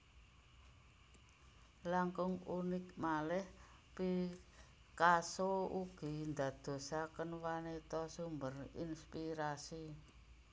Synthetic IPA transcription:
laŋkʊŋunɪk̚malɛh | pi | kasouɡ̥i̤nd̪a̤d̪̥o̤sakənwanit̪ɔsumbərḭnspiɾasi

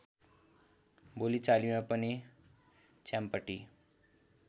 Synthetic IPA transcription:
bolit͡salimãpʌni | t͡ʃampəʈi

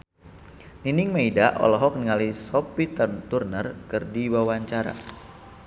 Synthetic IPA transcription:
niniŋmeidaʔɔ̰lɔɦɔk̚niŋalisɔpit̪ət̪urnərkɨrdiwawaɲt͡ʃaɾa̰

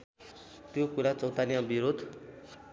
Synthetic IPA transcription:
t̪jokuɾat͡sʌwt̪anijãbiɾod̪ʱ

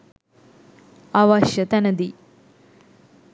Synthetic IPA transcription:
aʋɐʃjət̪ænəd̪i

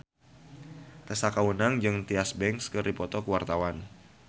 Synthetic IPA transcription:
t̪əsakawunaŋd͡ʒɨŋt̪iasbɛŋskɨɾipɔt̪ɔkəwart̪awan

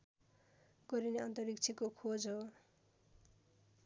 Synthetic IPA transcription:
ɡ̥ʌɾineʌnt̪ʌɾik̚t͡sʰikokʰod͡zɦo

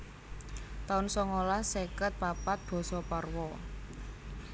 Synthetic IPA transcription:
t̪aʊnsɔŋolasekət̪̚papat̪̚b̥ɔ̤sɔparwɔ

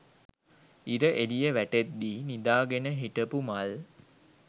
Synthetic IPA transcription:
iɾəʔelijəʋæʈet̪̚d̪iːnid̪aːɡenəɦiʈəpumal

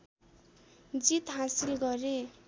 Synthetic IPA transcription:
d͡zit̪ɦãsilɡʌɾe

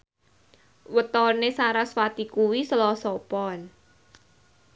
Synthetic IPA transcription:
wət̪ɔrnesaɾaswat̪ikuwisəlɔsɔpɔn

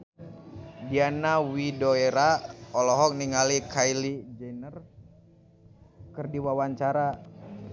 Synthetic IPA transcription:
dianawidoeɾaɔlɔɦɔk̚niŋalikʰajlid͡ʒɛnər | kərdiwawaɲt͡ʃaɾa

